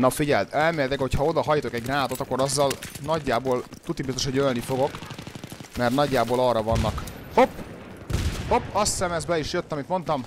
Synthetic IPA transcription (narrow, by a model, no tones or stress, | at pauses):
ɒfiɟɛld̪ɛlmeːlt̪ɛkhochɒo̞d̪ɒɦɒjiːt̪o̞kɛɟ̚ɡraːt̪o̞t̪ɒkːo̞ɾɒzːɒlnɒɟːaːboːlt̪ut̪ːibist̪oʃoølnifo̞ɡo̞k | mɛrt̪nɒɟːaːboːlɒrːɒvɒnːɒkhop | ho̞pːɒst̪sɛmɛzbɛiʃjøt̪ːɒmit̪mo̞nt̪ɒm